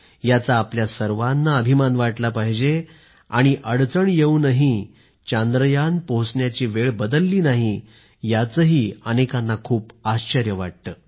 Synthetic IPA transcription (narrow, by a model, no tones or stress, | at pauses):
jat͡saːpljasəɾʋanːaəbʱimanʋaʈlapaɦd͡ʑe | aɽ̃iʔəɽt͡səɳjeunəɦi | t͡ɕãnd̪ɾəjanpoɦsɳjat͡ɕiːʋeɭbəd̪əlːiːnaɦi | jat͡səɦiːənekanːakʰuːpaɕt͡ɕəɾjəʋaʈ̚t̪əː